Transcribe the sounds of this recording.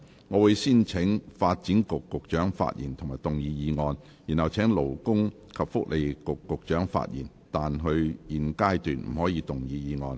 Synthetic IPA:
ŋɔː˨˧wuː˧jsiː˥nt͡sʰɪ˨˥ŋfaː˧t̚t͡siː˨˥nkʊ˨kːʊ˨k̚t͡ʃœː˨˥ŋfa̰ː˧t̚jḭː˨˩nt̪ʰʊ˨˩ŋmaː˨˩jt̪ʊ˨ŋjiː˨˧jiː˨˧ŋɔː˧n | ji˨˩nhɐ˨˩wt͡sʰɛː˨˥ŋlo˨˩wkʊ˥ŋ | kʰɐ˨p̚fʊ˥k̚lʔe˨jkʊ˨kːʊ˨k̚t͡ʃœː˨˥ŋfa̰ː˧t̚jḭː˨˩n | t̪aː˨nɦɵ˧ɥjiː˨˧nkaː˥jt̪yː˨nm̩˨˩hɔː˨˥jiː˨˧t̪ʊ˨ŋjiː˨˧jiː˨˧ŋɔ̰ː˧n

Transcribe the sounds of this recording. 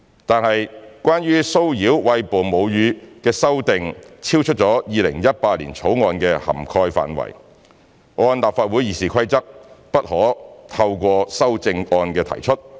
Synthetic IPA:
t̪aː˨nhɐ˨jkʷwaː˥nɥyː˥so˥wjiː˨˥wwɐ˧jpoː˨˩mo˨˧wjyː˨˧kɛː˧sɐ˥wt̪ɪ˨ŋt͡sʰiː˥wt͡ʃʰɵ˥t̚t͡sɔː˨˥jiː˨˧lɪ˨˩ŋjɐ˥t̚paː˧t̚lḭː˨˩nt͡sʰo˨˥wŋɔː˧nkɛː˧hɐ̰˨˩mkʰɔː˧jfa̰ː˨nwɐ̰˨˩j | ŋɔː˧nlaː˨p̚faː˧t̚wu˨˥jiː˨˩siː˨˩kʰɐ˥jt͡sɐ˥k̚pɐ˥t̚hɔː˨˥t̪ʰɐ˧wkʷɔː˧sɐ˥wt͡sɪ˧ŋɔː˧nkɛː˧t̪ʰɐ̰˨˩jt͡ʃʰɵ˥t̚

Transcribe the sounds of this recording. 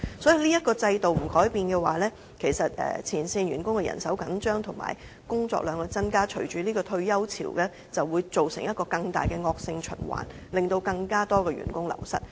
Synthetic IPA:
sɔː˨˥ji˨˧liː˥jɐ˥t̚kɔː˧t͡sɐ˧jt̪o˨wm̩˨˩kɔː˨˥jpiː˨˧nkɛː˧waː˨˦lɛː˥ | kʰe˨˩jsɐ˨t̚ɛ̰ː˨t͡sʰiː˨˩nsiː˧nɥyː˨˩nkʊ˥ŋkɛ˧jɐ̰˨˩nsɐ˨˥wkɐ˨˥nt͡ʃœː˥ŋt̪ʰʊ˨˩ŋma̰ː˨˩j | kʊ˥ŋt͡sɔ̰ː˧k̚lœː˨˧ŋkɔ˧t͡sɐ˥nkaː˥t͡ʃʰɵ˨˩ɥt͡ʃyː˨˥liː˥kɔː˧t̪ʰɵ˧ɥjɐ˥wt͡sʰḭː˨˩wkɛ˧ | t͡sɐ˨wːuː˨˧jt͡so˨wsɪ˨˩ŋjɐ˥t̚kɔː˧kɐ˧ŋt̪a̰ː˨jkɛː˧ŋɔː˧k̚sɪ˧ŋt͡ʃʰɵ̰˨˩nwa̰ː˨˩n | lɪ˨˩ŋt̪o˧wkɐ˧ŋkaː˥t̪ɔː˥kɛː˧ɥy̰˨˩nkʊ˥ŋlɐ̰˨˩wsɐ̰˥t̚

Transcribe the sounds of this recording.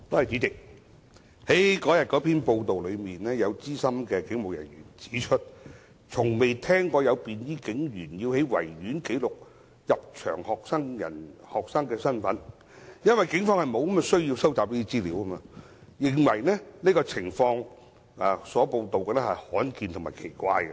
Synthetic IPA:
t̪ɔː˧˥hɐ˨jt͡siː˨˥t͡sɪ˨k̚ | he˨˥jkɔː˨˥jɐ˨t̚kɔː˨˥pʰiː˥npo˧wt̪o˨wlɵ˨˧ɥmiː˨˩nɛː˥jɐ˨˧wt͡siː˥sɐ˥mkɛː˧kɪ˨˥ŋmo˨wjɐ̰˨˩nɥyː˨˩nt͡si̥ː˨˥t͡ʃʰɵ˥t̚ | t͡sʰʊ˨˩ŋme˨jt̪ʰɛː˥ŋkɔː˧jɐ˨˧wpiː˨njiː˥kɪ˨˥ŋjyː˨˩njiː˧whe˨˥jwɐ̰˨˩jːyː˨˥nke˨˥jlʊ˨k̚ | jɐ˨p̚t͡ʃʰœ̰ː˨˩ŋhɔː˨k̚sɐ˥ŋjɐ̰˨˩nhɔː˨k̚sɐ˥ŋkɛː˧sɐ˥nfɐ˨˥n | jɐ˥nwɐ˨jkɪ˨˥ŋfɔː˧ŋhɐ˨˩jmo˨˧wkɐ˥mɐ˧sɵ˥ɥjiː˧wsɐ˥wt͡saː˨p̚liː˥t̪i˥t͡siː˥liː˨˧˥wkɐ˥ma˧ | jɪ˨ŋwɐ˨˩jnɛ˥niː˥kɔː˧t͡sʰɪ˨˩ŋfɔː˧ŋː˨ | sɔː˨˥po˧wt̪o˨wkɛː˧nɛ˥hɐ˨jhɔː˨˥nkiː˨nt̪ʰʊ˨˩ŋmaː˨˩kʰe˨˩jkʷaː˧jɛ˧

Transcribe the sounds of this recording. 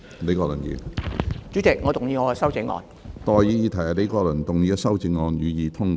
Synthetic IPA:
le˨˥jkɔː˧˥lɐ˨˩njḭː˨˧t͡ʃy˨˥t͡sɪ˨k̚ŋɔː˨˧t̪ʊ˨ŋjiː˨˧ŋɔː˨˧sɐ˥wt͡sɪ˧˥ŋɔ̰ː˧n | t̪ɔː˨jiː˨˧jiː˧t̪ʰɐ˨˩ja˨le˨˥jkɔː˧lɐ˨˩nt̪ʊ˨ŋjiː˨˧sɐ˥wt͡sɪ˧˥ŋŋɔː˨˧njyː˨˧jiː˨˧t̪ʰʊ˥ŋkː

